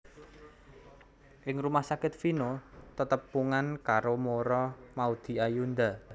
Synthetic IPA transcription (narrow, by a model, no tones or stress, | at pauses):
ʔɪŋrumahsakɪt̪finot̪ət̪əpːuŋankaɾomoɾɔmaud̪̥i̤ajund̪a